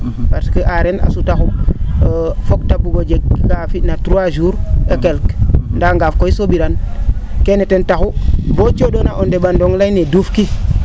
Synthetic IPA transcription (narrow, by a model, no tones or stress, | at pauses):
paɾsikiʔaɾena̰sutaxu | foktabuɡod͡ʒekkafinatuɾuaʒuːɾekelkndaŋɡafkoisobiɾankenetentaxubot͡ʃoɗonaʔondeɓandoŋlainedufki